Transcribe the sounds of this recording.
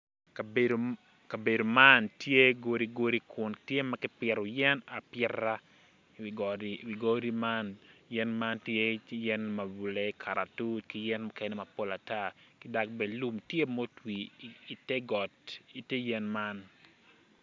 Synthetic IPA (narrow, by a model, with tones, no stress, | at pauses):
ka˨bedo | ka˨be˨do˨ma˦ntje˦ɡo˦ɾi˨ɡo˦ɾi˦kʰʊ˨ntje˦makɪ˦pɪ˨ɾɔ˨jɛ˦na˨pɪ˦ra˦ | wɡɾiwi˨ɡo˦ɾi˦ma˦njɛ˦nma˦ntje˦jɛ˦nma˨bu˨le˦kʰa˨ɾʔa˨tu˦ki˦jɛ˦nmo˦kɛ˦nɛ˦ma˨po˦la˨ta˦˨kɪ˦da˨k̚bɛ˨lu˦mtje˦mo˦twiː˨te˦ɡɔ˨ti˨te˦jɛ˦nma˦n